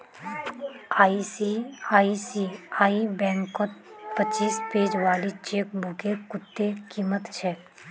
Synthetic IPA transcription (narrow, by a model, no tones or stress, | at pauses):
aːisiaːisiaːibɛ̃ːŋkɔt̪pət͡ʃːiːspeːd͡ʒʋaːlit͡ʃeːk̚bʱʊkekʊt̪ːekiːmət̪t͡ʃʰɛː